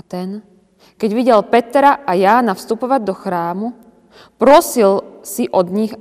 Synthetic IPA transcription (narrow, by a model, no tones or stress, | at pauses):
t̪ɛn | kɛɟʋiɟɛlpɛt̪ɾaʔajaːnafst̪upɔʋaɟd̪ɔxɾaːmu | pɾɔsilsiʔɔd̪ɲiɣ